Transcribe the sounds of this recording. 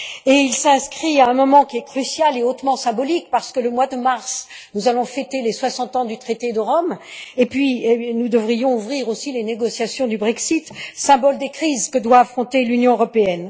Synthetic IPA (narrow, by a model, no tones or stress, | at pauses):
eilsɛ̃skχiaɛ̃mɔmɑ̃kʲiɛkχysjaleot̪mɑ̃sɛ̃bɔlikpaʁsə̥kələmwad̪əmaʁs | nuzalɔ̃fɛt̪eleswasɑ̃t̪ɑ̃d̪yt̪χet̪ed̪əʁɔmepɥinud̪əvʁijɔ̃uvʁiʁosileneɡɔsjasjɔ̃d̪ybʁɛksit̪sɛ̃bɔld̪ekχizkəd̪waːfχɔ̃t̪elynjɔ̃øʁɔpeɛn